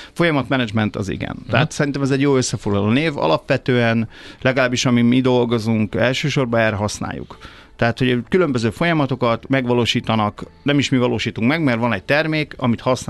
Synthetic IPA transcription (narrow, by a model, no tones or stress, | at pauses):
fo̞jɒmɒt̪mɛnɛd͡ʒmɛnt̪ɒ̰zḭɡɛ̰nt̪ɛɦat̪sɛɾint̪ɛmɛzɛɟjoːøsːɛfo̞ɡlɒloːneːvɒ̰lɒpʋɛt̪øːɛnlɛɡɒlaːbːiʃɒmimid̪o̞lɡo̞zuŋkɛlʃøːʃo̞rbɒɛːrːɛɦɒsna̰ːjṵk | t̪ɛɦaːt̪ho̞ɟkylømbøzøːfo̞jɒmɒt̪o̞kɒt̪mɛɡʋɒloːʃiːt̪ɒnɒknɛmiʃmivɒloːʃiːt̪uŋkmɛɡmɛrʋɒnɛc̚t̪ɛrmeːkɒmit̪hɒsn